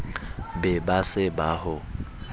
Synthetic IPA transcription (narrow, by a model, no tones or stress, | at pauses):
bɛbasɪbahʊ